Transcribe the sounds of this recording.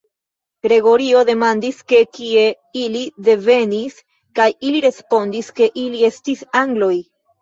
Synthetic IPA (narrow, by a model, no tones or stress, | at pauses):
ɡ̥ɾe̞ɡo̞ɾio̞de̞mandiske̞kie̞ | ilide̞ve̞nis | kajiliɾe̞spo̞ndiske̞ʔilie̞stisaŋɡlo̞j